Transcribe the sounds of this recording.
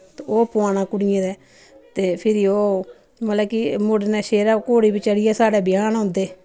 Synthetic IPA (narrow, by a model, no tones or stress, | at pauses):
t̪oːpʊaːnãːkʊɽɪẽːd̪ɛː | t̪eːpʰɪɾioː | mət̪laːkimʊɽnɛːʃeːɾaːkoːɽiːbit͡ʃəɽɪjɛːsaːɖɛːbɪjaːnõːnd̪eː